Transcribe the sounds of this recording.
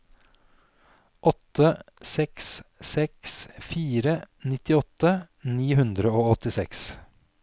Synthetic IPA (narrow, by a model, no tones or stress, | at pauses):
ʔɔt̪əsɛkssɛksfiːɾə | nɪt̪ɪɔt̪ə | niːhʉnd̪ɾəoːɔt̪ɪsɛks